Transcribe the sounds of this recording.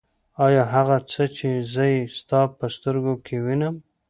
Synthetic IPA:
ɑjɑɦaɣat͡sət͡ʃezəjst̪ɑpəst̪əɾɡokʰewinəm

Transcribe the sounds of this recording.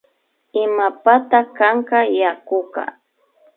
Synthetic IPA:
ɪmapat̪akaɴkɑjakʊkɑ̰

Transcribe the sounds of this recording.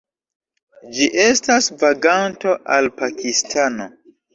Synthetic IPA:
d͡ʒiʔe̞stasvaɡanto̞ʔalpakistʰano̞̰

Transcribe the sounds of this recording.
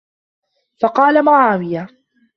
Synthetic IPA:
fɑqɑːlamʊʕaːwɪja

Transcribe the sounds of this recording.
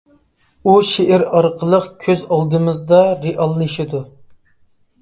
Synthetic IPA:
uʃeʔɪɾɑɾqʰəlˠəqkʲʰøzɑlˠd̪ɨmɨzd̪ɑɾeʔɑlˠːɨʃid̪u

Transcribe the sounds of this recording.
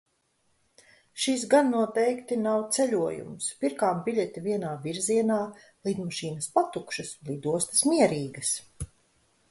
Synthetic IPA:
ʃis̬ɡanːuɔt̪ɛjkt̪inawt̪sɛʎʲuɔjṵmspiɾkaːmbiʎʲɛt̪ʲiviɛnaːviɾziɛnaː | lˠiːd̪maʃiːnɐspat̪ukʃɐslˠiːd̪uɔst̪smiɛɾiːɡɐs

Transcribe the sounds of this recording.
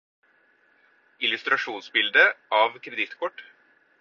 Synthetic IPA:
ɪlʉst̪ɾɑʂuːnsbɪld̪əʔɑːʋkʰɾɛd̪ɪt̪kʰɔʈ

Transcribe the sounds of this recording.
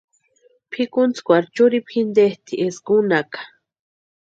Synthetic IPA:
pʰikunt͡skʷaɾt͡ʃuɾipxind̪eht̪iʔesɡunakḁ

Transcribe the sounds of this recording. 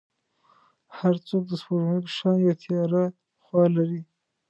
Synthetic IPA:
haɾt͡sok̚d̪əspoʒnepəʃɑnjɑt̪ʰiɑɾa | xwɑlaɾi

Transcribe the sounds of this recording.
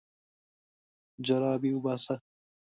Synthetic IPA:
d͡ʑɐɾaːbiubaːsɐ

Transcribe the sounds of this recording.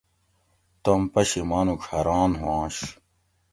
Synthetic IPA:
t̪ɐmpɐɕimaːnukʰɐɾaːnɦwãːɕ

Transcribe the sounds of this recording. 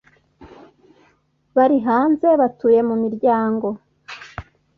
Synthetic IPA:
βaɾiɦaːnze̞βatuːje̞mumiɾɟaːŋɡo̞

